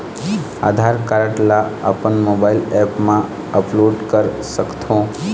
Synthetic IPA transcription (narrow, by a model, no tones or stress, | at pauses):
a̰ːd̪ʱaɾkaɾəʈlaə̰pənmobailɛpmã | əploːɖkəɾ | səkt̪ʰõ